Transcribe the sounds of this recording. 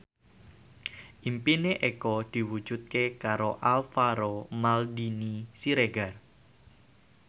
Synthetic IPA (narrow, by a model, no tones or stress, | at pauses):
ʔimpineʔekɔd̪̥i̤wud̥ʒ̥ṳt̪̚kekaɾo̰ʔalfaɾomald̪inisiɾeɡar